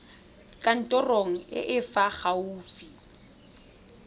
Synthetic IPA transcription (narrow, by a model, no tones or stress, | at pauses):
kʼan̩tʼɔroŋ̩ɪ̰ʔɪfaχauːfi